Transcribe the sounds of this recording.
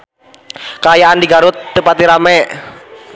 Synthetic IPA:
kəajaʔandiɡaɾʊt̪ːəpat̪iɾamɛʔ

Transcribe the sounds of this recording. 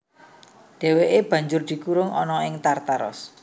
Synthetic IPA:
ɖ̪̥e̤weʔeb̥ä̤ɲd͡ʒʊrd̪̥i̤kuɾʊŋɔnɔɪŋt̪art̪aɾɔ̰s

